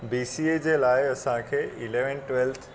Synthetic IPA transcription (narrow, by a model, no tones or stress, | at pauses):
biːsied͡ʑeːlaːɪɐsãkʰeːɪleʋənʈʋelt̪ʰ